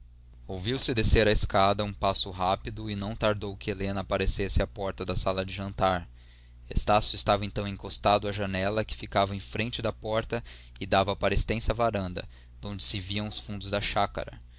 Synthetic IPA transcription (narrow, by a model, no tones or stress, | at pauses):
owviwsɪd̪eseɾɐeskad̪ɐũpasʊɦapid̪ʊɪnɐ̃w̃t̪aɾd̪owkɪelẽnɐːpaɾesesɪapɔɾt̪ɐd̪ɐsalɐd͡ʒɪʒɐ̃nt̪aɾ | ḛst̪asjuʊɪst̪avɐẽnt̪ɐ̃w̃ẽkost̪ad̪ʊɐʒɐnɛlɐkɪ̥fikavɐẽj̃fɾẽt͡ʃɪd̪ɐpɔɾt̪ɐ | ɪd̪avɐpaɾest̪ẽsɐvaɾɐ̃nd̪ɐ̰ | d̪õd͡ʒɪsɪviɐ̃w̃ʊsfũnd̪ʊzd̪ɐʃakɐ̰ɾɐ̰